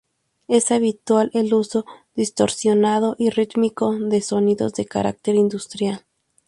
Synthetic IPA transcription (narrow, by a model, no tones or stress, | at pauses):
e̞saβit̪walʔeluso̞ðist̪o̰ɾsjonað̞o̞ʔirit̪miko̞ðe̞so̞niðozðe̞ka̰ɾa̰k̚t̪e̞ɾind̪ust̪ɾjal